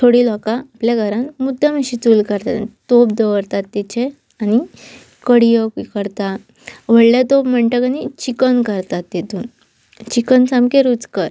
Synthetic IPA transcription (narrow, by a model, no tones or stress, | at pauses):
t̪ʰoɽiːlɔkaːpljaɡʱəɾãnmud̪ʱaməɕit͡suːlkəɾt̪a̰t̪op̚d̪əʋəɾt̪at̪ːet͡ɕe | ani | kəɽijəkəɾt̪a | ʋəɽljat̪opm̤əɳʈəkanit͡ɕikənkəɾt̪at̪ːet̪uːn | t͡ɕikənsãmkeɾud͡zkəɾ